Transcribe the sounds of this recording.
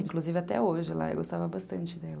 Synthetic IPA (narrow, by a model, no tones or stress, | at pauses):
ĩkluzivɪat̪ɛ̰oʒɪla̰ḛwɡost̪avɐbast̪ɐ̃nt͡ʃɪd̪ɛlɐ